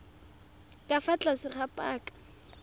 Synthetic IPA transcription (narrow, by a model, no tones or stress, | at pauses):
kʼafat͡ɬʼasɪχapʼaːkʼḁ